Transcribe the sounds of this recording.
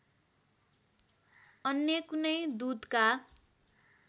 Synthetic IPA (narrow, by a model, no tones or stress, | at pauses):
ʌnjʌkunʌjd̪ud̪ka